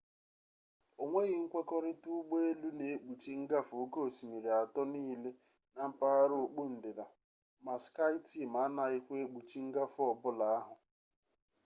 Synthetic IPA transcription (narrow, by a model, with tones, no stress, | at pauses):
o˨ŋʷe˦ɣɪ˨ŋ̩˦kʷe˦kɔ˦ɾɪ˦tu˦ɡ͡be˦e˦lu˦ne˨e˦k͡pu˨t͡ʃi˦ŋ̩˦ɡa˦fʊ˨o˦ko˦o˨si˨mi˨ɾi˨a˨tɔ˦niː˦le˦ | na˦m̩˦pa˦a˦ɾo˨k͡pu˦n̩˨dɪ˨da˨ | ma˨ska˦jti˦˨ma˨˦na˨i˦kʷe˦e˦k͡pu˨t͡ʃi˦ŋ̩˦ɡa˦fɔ˨bʊ˦la˨a˦ɦʊ˨